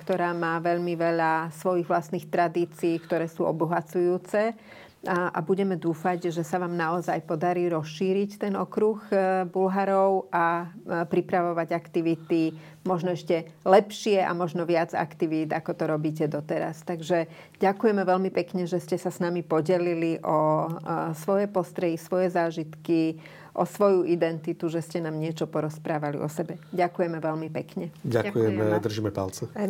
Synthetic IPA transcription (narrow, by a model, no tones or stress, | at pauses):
kt̪ɔɾaːmaːʋɛʎmiʋɛʎasʋɔjiɣʋlast̪nixt̪ɾad̪iːt͡siːkt̪ɔɾɛːsuːɔ̰buɦat͡sujuːt͡sɛ | ʔa̰buɟɛmɛd̪uːfaɟʒɛsaʋaːmnaɔzajpɔd̪aɾiːɾɔsʃiːɾict̪ɛnɔkɾuɣbulɦaɾɔʊapɾipɾaʋɔʋaɟakt̪iʋit̪i | mɔʒnɔɛʃcɛlɛpʃɪɛʔa̰mɔʒnɔʋɪad͡za̰kt̪iʋiːd̪akɔt̪ɔɾɔbiːc̬ɛd̪ɔt̪ɛɾa̰st̪aɡʒɛ | ɟakujɛmɛʋɛlmipɛkɲɛʒɛscɛsasnamipɔɟɛliliʔɔ | sʋɔjɛpɔst̪ɾɛjisʋɔjɛzaːʒit̪ki | ʔɔsʋɔjuʔid̪ɛnt̪it̪uʒɛscɛnaːmɲɪɛt͡ʃɔpɔɾɔspɾaːʋalḭɔsɛbɛɟakujɛmɛʋɛlmipɛkɲɛɟakujɛmɛd̪r̩ʒimɛpa̰lt͡sɛ